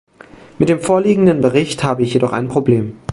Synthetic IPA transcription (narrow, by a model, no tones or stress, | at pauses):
mɪt̚d̥eːmfoːɐliːɡŋ̩dənbəʁɪçthaːbəɪçjedɔχa̰ɪnpʁ̥obleːm